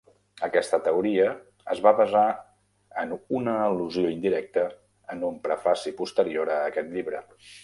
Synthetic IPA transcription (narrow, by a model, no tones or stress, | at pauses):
əkɛst̪ət̪əuɾiə | əzβaβəza | ənunəːluzioind̪iɾɛk̚t̪əː | numpɾəfasipust̪əɾioɾəːkɛt̪ʎiβɾə